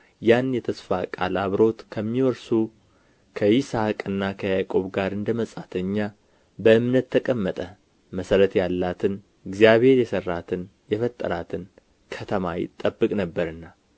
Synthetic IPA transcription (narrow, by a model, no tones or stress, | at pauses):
janjɛt̪ʰəsfa̰kʼa̰laβɾo̞t̪kʰəmːiwɔɾsu | kʰəjɪsakʼɨnːakʰəjakʼo̞βɡaɾɨnd̪əməsʼat̪ʰəɲːa | bəʔɨmnət̪ʰːəkʼəmːət̪ʼə | məsəɾət̪jalːat̪ʰɨn | ɨɡzijaβhe̞ɾjɛsərːat̪ʰɨnjɛfət̪ʼːə̰ɾat̪ʰɨn | kʰət̪ʰəmajɪ̰t̪ʼːəbːɨkʼnəbːəɾɨnːa